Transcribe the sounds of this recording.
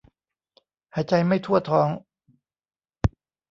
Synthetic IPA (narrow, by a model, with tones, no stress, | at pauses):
haː˨˩˥t͡ɕa˧jma˥˩jt̪ʰu˥˩ɐt̪ʰɔː˨˥ŋ